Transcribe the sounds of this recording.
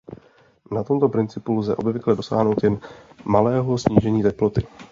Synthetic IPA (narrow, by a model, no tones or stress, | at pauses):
nat̪o̞mt̪o̞pɾɪnt͡sɪpulzɛ̰ʔo̞bvɪklɛdo̞sa̰ːɦno̞wt̪jɛnmalɛːɦo̞sɲiːʒɛɲiːt̪ɛplo̞t̪ɪ